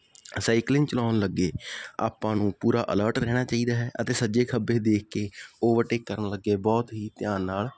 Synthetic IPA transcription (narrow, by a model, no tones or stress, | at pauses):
saːɪklɪ̃ŋɡt͡ʃəlaːnləɡːeːa̰ːpãːnũːpuːɾaːʔə̰ləːɾʈɾɛːɽ̃aːt͡ʃaːiːd̪aːɦɛːʔət̪eːsəd͡ʒeːkʰəbeːd̪eːkʰkeːoːʋəʈeːkːəɾənləɡeːbɔːt̪ɦiːt̪ɪjãːnːaːl